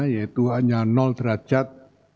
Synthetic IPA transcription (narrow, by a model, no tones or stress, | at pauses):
jait̪uaɲanɔld̪̥ɾḁd͡ʒ̥at̪̚